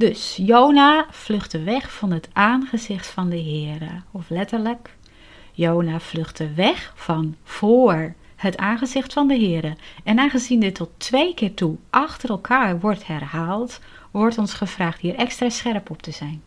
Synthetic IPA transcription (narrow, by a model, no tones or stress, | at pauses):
d̥øsjoːnafløxtəʋɛxfɑnɦətʔaːnχəzɪxtfɑndəɦɪːəɾəɔflɛtərlək | joːnafløxtdəʋɛxfɔnv̥oːɹ | ətaːnχəzɪxtfɑndəɦɪːəɾəɛnaːnɣəzindɪtʰɔtʋejkɪːrtuʔɑxtəɾɛlˠkʰaːrʋɔrthɛrhaːlˠt | ʋɔrtɔnsχəvraːχthiəɾʔɛkstraːsxɛrpɔp̚tʰəzɛjn